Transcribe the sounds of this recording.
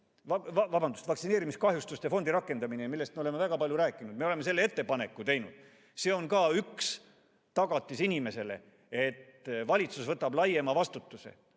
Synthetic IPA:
vɑvɑvɑbɑnd̪̥ust̪vɑk̪sine̞ːɾimiskɑɦjust̪ust̪efo̞nd̪iɾɑkˑːe̞nd̪̥ɑminemilːest̪meole̞mevæɡ̥ɑpɑlʲjuɾæːkːˑinud̪me̞oleme̞selːee̞t̪ːe̞pɑne̞kːˑut̪e̞jnṵd̪̥ | se̞ːo̞nkɑːyks | t̪ɑɡ̥ɑt̪ːˑisinʲime̞se̞le̞̰ | e̞t̪vɑlʲit̪susvɤt̪ːˑɑblɑjemɑvɑst̪ut̪ːˑusḛ

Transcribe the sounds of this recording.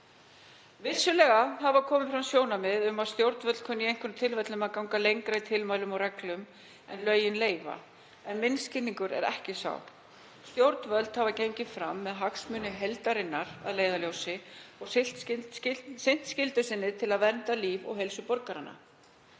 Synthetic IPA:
vɪsːʏlɛːɣaɦavakʰɔːmɪfɾamsjoːwnamɪðʏmaðst̪jowɾt̪vœt̪kʰœnːɪejŋ̥kʏnt̪ʰɪlvɛt̪lʏmaðkaw̃ŋkalejŋkɾait̪ʰɪlmajlʏmɔrɛklʏm | ɛnlœːɥjɪnleːjva̰ | ɛnmɪnscɪnːiŋkʏɾɛ̰ɾɛ̰hcɪsa̰w | st̪jowɾt̪nvœt̪lt̪havacejɲcɪfɾa̰mːɛðɦaksmʏːnːɪɦejlt̪aɾɪnːaɾ̥a̰ðleːjðaljowsɪɔɣs | sɪn̥t̪scɪlt̪ʏsɪnːɪt̪ʰɪlaðvɛnt̪aliːvɔ̰ɣɦejlsʏpɔɾkaɾanːa̰

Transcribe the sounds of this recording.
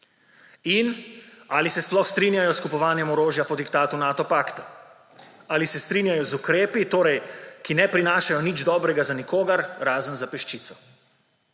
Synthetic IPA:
inaːlisɛsplɔxst̪ɾinjajɔskupɔʋaːnjɛmɔɾoːʒjapɔd̪ikt̪aːt̪unaːt̪ɔpaːkt̪a | alisɛst̪ɾiːnjajɔzukɾeːpit̪oːɾɛjkinɛpɾinaːʃajɔnid͡ʒd̪ɔːbɾɛɡazanikoːɡaɾɾaːzənzapɛʃt͡ʃiːt̪sɔ̥

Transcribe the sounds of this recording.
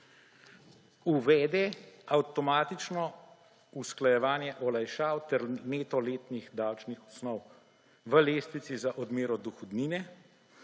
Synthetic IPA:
uʋɛːd̪ɛawt̪ɔmaːt̪it͡ʃnɔ | usklajɛʋaːnjɛʔɔlajʃaːwt̪ɛɾneːt̪ɔleːt̪nixd̪aːwt͡ʃnixɔsnɔw | ʋəleːst̪it̪sizaʔɔd̪meːɾɔd̪uxɔd̪niːnɛ

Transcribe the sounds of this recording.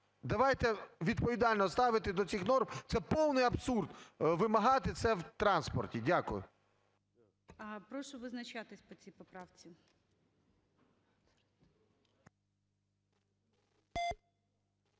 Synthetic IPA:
d̪ɐʋɑjt̪ɛʋʲid̪̚pɔʋʲid̪ɑlʲnɔst̪ɑʋɪt̪ɪd̪ɔt͡sʲixnɔrmt̪sɛpɔwnɪjɐbsurd̪ʋɪmɐɦɑt̪ɪt̪sɛwt̪ɾɑnspɔ̰rtʲidʲakʊjʊ̰ | ɐpɾɔʃɔʋɪznɐt͡ʃat̪ɪsʲpɔt͡sʲijpɔpɾɑwt͡sʲi

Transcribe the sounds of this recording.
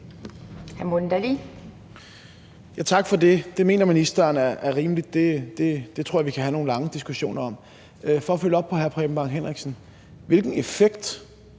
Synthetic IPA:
hæɐmond̥æli | jæt͡sʰɑ̈ɡ̥fɒ̽de̝d̥e̝me̝̰ːnɐminisd̥ɐːnæɐʔæɐʁiːmlid̥̚ːe̝d̥e̝d̥e̝t͡sʰʁo̰ɐɐʋikʰæɦæno̝ːn̩lɑ̈ŋəd̥isɡ̥uɕo̝̰ːnɐɒ̽m̰ | fɒ̽ɒføl̰əɒ̽b̥̚pʰɒ̽ɦæɐpʰʁɛ̰ːb̥m̩b̥ɑ̈nɦen̰ʁeɡ̥sn̩ | ʋe̝lɡ̥n̩e̝feɡ̥d̥

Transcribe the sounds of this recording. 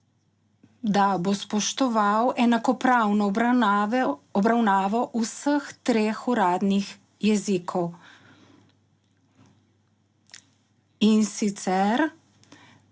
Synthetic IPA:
d̪abospɔʃt̪ɔʋawɛnakɔpɾawnɔ | ɔbɾawnaːʋɔʔusəxt̪ɾeːxuɾaːd̪nix | jɛziːkʰɔw | insit̪sɛɾ

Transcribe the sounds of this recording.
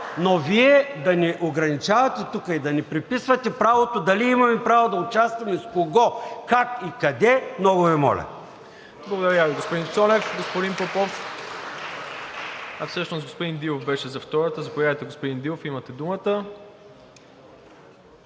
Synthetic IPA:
noviɛd̪ɐnɛʔoɡɾɐnit͡ʃavɐt̪ɛt̪ukəid̪ɐnɛpɾipisvɐt̪ɛpɾavot̪od̪ɐliimɐmɛpɾavod̪ɐʊt͡ʃast̪vɐmɛskoɡɔkakikɐd̪ɛmnɔɡʊvɛmɔ̰lʲɐ̰ | blˠɐɡod̪ɐɾɾaviɡospod̪int̪sɔnɛfɡospod̪inpopɔfk | ɐfsəʃnosɡospod̪ind̪ilˠofbɛʃɛzɐft̪ɔɾət̪əzɐpojadɐjt̪ɛɡospod̪ind̪ilˠofimɐt̪ɛd̪umət̪ə

